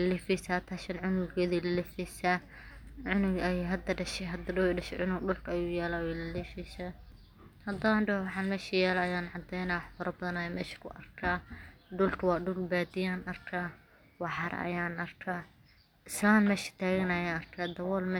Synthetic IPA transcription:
lɐlɪfisaːt̪ʰaːʃɐnʕʊnɪɡɔːðɛlɐlɪfɛsaː | ʕʊnɪɡɐjɦɐd̪ɐɖɐʃɛɦɐd̪ɐɖʊwɖɐʃɛ̰ʕʊnʊɡɖʊlkʰɐɐjuːjɛːlaːwɛlɐlɛfɛsaː | hɐd̪ɐɐɳɖɐhwɑħɑːnmɛːʃijɛːlaɐjaːnʕɑd̪ɛjnaːwɑħfɐɾɐbɐðɐnɐjaːmɛ̰ːʃɐ̥kʰʊʔɐ̰rkʰaːɖʊlkʰɐwɑːɖʊlbaːd̪ɪjaːnʔɐrkʰaː | wɑħɑɾɐ̰jaːnɐrkʰaː | ɪslaːnmɛːʃɪ̥t̪ʰaːɣɐnɐjaːɐrkʰaːd̪ɐwɔːlmɛː

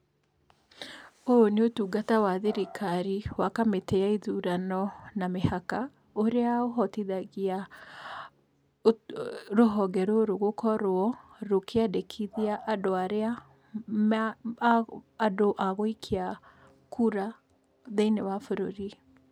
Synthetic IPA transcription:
oneotuːɡatawaðeɾikʰaɾiwakameteaiðuɾanɔnamehaka | oɾeaoɦɔtiðaɣia | ɾoɦɔɡɛɾoɾoɣokʰɔɾoɔɾokeadekʰiðiaʔːdoaɾea | doʔaɣoikʰea | kʰuɾa | ðeinewafoɾo̰ɾi

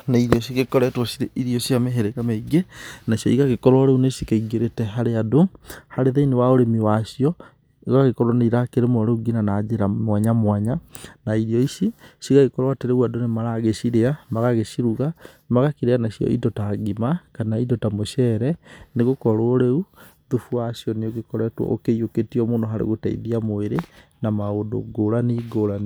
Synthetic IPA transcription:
naiɾiɔɕ̬iɣekɔɾɛtwɔsiɾeiɾiɔsiameɦeɾeɣameiɡenaʃjɔiɣaɣekɔɾwaɾeunesikaiɡeɾetɛɦaɾeadohaɾeðeinewaoɾemiwaʃiɔ | iɣaɣekɔɾɔnaiɾakeɾemɔɾeuɡinanad͡ʒeɾamwaɲamwaɲanaiɾiɔisisiɣaɣekɔɾwateɾeuadonemaɾaɣeɕiɾeamaɣaɣeɕiɾuɣa | maɣakiɾeanaɕiɔ̰ḭdɔtaɡimakanaidɔtamoɕɛɾɛneɣokɔɾooɾeu | ðufuaɕjɔneoɣekɔɾɛtwɔ̰ʔo̰keijoketiɔmondoɦaɾḛɣotaḭðiamoeɾe | namaodo̰ɡoɾaniɡoɾan

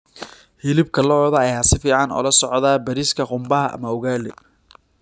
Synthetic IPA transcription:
hɪlɪb̚kʰɐlɔðɐɛjasɪfiːʕɑnɔ̰ːlɐsɔʕðaːbɐɾiskʰɐqʊmbɐɦɐʔɐ̰mɐʊɣaːlɛ

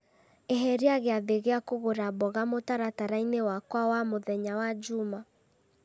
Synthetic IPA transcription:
eɦɛɾiaɣeaðeɣeakoɣoɾabɔɣamotaɾataɾainewakwawamoðɛɲawad͡ʒuma

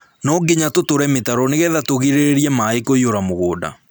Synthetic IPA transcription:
nɔɡeɲatotoɾɛmetaɾɔneɣɛðatoɣiɾeɾiɛmaekoioɾamoɣoːda̰

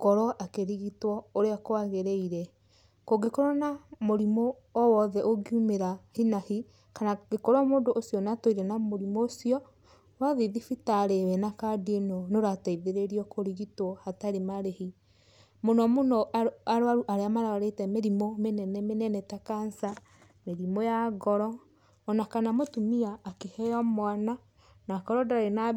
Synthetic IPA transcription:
kɔɾɔʔakeɾiɣitwɔoɾeakoaɣeɾeiɾɛ | koɡekɔɾɔnamoɾimɔː | wɔðɛʔoɡiumeɾahinahi | kanaɡekɔɾwamoːndoʔːsjɔnatoiɾɛnamoɾimɔːsiɔ | waðiðifitaɾewɛnakadenɔnoɾataiðeɾeɾiɔkʰoɾiɣitoɔhataɾemaɾehi | monɔmonɔaɾoaɾuʔaɾeamaɾaaɾetɛmeɾimomenɛnɛmenɛnɛtakansa | meɾimojaɡɔɾɔː | nakanamotumiaːkehɛɔmwana | nakɔɾɔdaaena

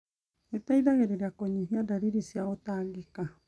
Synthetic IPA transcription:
et̪ajd̪aɣeɾeɾeakoɲiɦiadaɾiɾisiaot̪aɡika

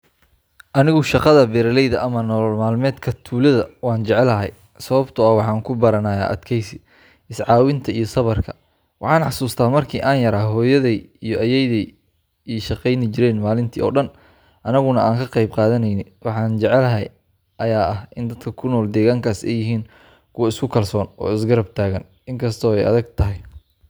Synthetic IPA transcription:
ʔɐnɪɣʊʃɑqɑðɐbɛːɾɐlɛjðɐʔɐmɐnɔːlɔlmaːlmɛːd̪kʰɐt̪ʰuːlɐðɐwɑːnt͡ʃɛʕɛlɐɦɛ̰j | sɐβɐbt̪ʰʊɐwɑħɑːŋkʰʊbɐɾɐnɐja̰ːʔɐ̰d̪kʰɛjsɪ | ʔɪsʕɑːwɪnt̪ʰɐijɞsɐβɐrkʰɐ̥ | wɑħɑːnħɑsuːst̪ʰaːmɐrkʰiːʔaːnjɐɾaːɦɔːjɐðɛjijɔʔɐjɛjðɛj | iːʃɐqɛjnɪt͡ʃɪɾɛːnmaːlɪnt̪ʰḭːɔ̰ːɗɐn | ʔɐnɐɣʊnɐʔaːŋkʰɐqɛjbqɑːðɐnɛjnɪwɑħɑːnt͡ʃɛʕɛlɐɦɐj | ʔɐjaːʔɐhɪnd̪ɐd̪̥kʰɐkʰʊnɔːld̪ɛːɣaːŋkʰaːsɛ̰jɪɦiːn | kʰʊwɐɪskʰʊkʰɐlsɔːnɔ̰ːɪsɡɐɾɐb̚t̪ʰaːɣɐn | ɪŋkʰɐst̪ʰɔːɛjɐ̰ðɐɡt̪ʰɐɦɪj

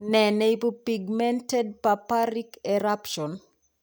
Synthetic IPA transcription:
nɛneipopiɡmɛntɛd̚papaɾikɛɾapʃɔn

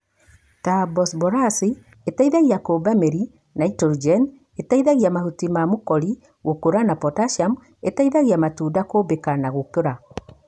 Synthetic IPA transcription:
tabɔsbɔɾasi | etaiðaɣiakobameɾi | naitɔɾd͡ʒɛn | etaiðaɣiamahutimamokɔɾi | ɣokoɾanapɔtaʃam | etaiðaɣiamatuːdakobekanaɣokoɾa

